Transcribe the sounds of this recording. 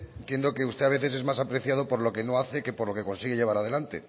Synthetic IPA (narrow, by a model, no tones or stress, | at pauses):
nt̪je̞nd̪o̞ke̞ust̪e̞aβe̞θe̞s̬e̞zmasapɾeθjað̞o̞po̞ɾlo̞ke̞no̞aθe̞ke̞poɾlo̞ke̞ko̞nsiɣe̞ʝe̞β̞aɾað̞e̞lant̪e̞